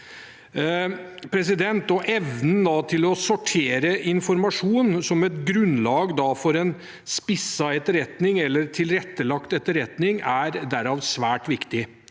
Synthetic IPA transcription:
pʰɾɛs̬ɪd̪ɛnt̪ɔʔɛʋnən̩d̪ɑt̪ʰɪlɔsɔʈʰeːɾəʔɪnfɔɾmɑʂuːnsɔmɛt̪ɡɾʉnlɑːɡd̪ɑfɔɾɛn | spɪsːɑɛt̪ːəɾɛt̪nɪŋɛlːəɾt̪ʰɪlɾɛt̪ːəlɑkt̪ɛt̪ːəɾɛt̪nɪŋæɾd̪æɾɑːʋsʋæːʈʋɪkt̪ɪ

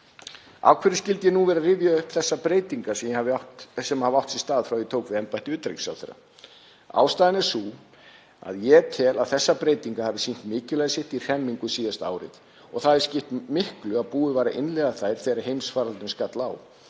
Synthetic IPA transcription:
a̰wkʰvɛɾɪscɪlt̪jɛnuvɛːɾarɪvjaʏhpθɛsːapɾeːjt̪iŋkasɛmjɛhavɪawhtsɛmhavawht̪sɪ̥st̪aːðfɾawjɪt̪ʰoːwkvɪɛmpajht̪ɪʏːt̪ɾḛjksa̰wθḛɾːa̰ | a̰ːwst̪aðɪnɛɾ̥suː | a̰ðjɛt̪ʰɛːlaðθɛsːapɾeːjt̪iŋkahavɪsin̥t̪mɪːcɪlajsɪht̪ir̥ɛmːiŋkʏsiːðast̪a̰ːwɾɪ̰ð | ɔɣθaðɪscɪht̪mɪhklʏaðpuːʏvaːjɾaʔɪnlɛɣaθajɾ̥θɛːɾḁɦejmsfaːɾalɪnskat̪laːw

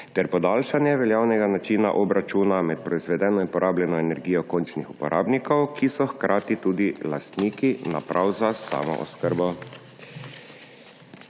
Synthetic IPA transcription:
t̪ɛɾpɔd̪aːlʃanjɛʋɛljaːwnɛɡanat͡ʃiːna̰ʔɔbɾʔat͡ʃuːnamɛt̪̚pɾɔizʋɛd̪ɛːnɔinpɔɾʔaːbljɛnɔɛnɛɾɡiːjɔkont͡ʃnixupɔɾʔa̰ːbnikɔwkisɔxkɾʔaːt̪it̪uːd̪ila̰st̪niːkina̰pɾʔawzasa̰ːmɔ̰ʔɔ̰skəɾbɔ

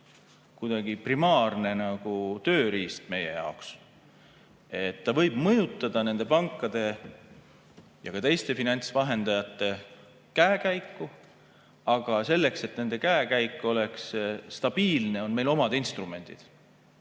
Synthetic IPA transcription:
kujd̪̥ɑɡ̥iprimɑːrne̞nɑɡ̥ut̪ø̞ːɾiːst̪me̞je̞jɑ̰oks | e̞t̪ːɑvɤ̞jb̥mɤjut̪ːˑɑd̪̥ɑne̞nd̪e̞pɑŋkːˑɑd̪̥e̞ | jɑkɑt̪e̞jst̪e̞finɑnʲt̪svɑɦe̞nd̪̥ɑjɑt̪ːˑe̞ | kæekæjkːu | ɑɡ̥ɑse̞lːe̞kse̞t̪ne̞nd̪e̞kæekæjkːˑo̞lekst̪ɑb̥iːlne̞o̞nme̞jlo̞mɑd̪̥inst̪rume̞nʲd̪̥id̪̥

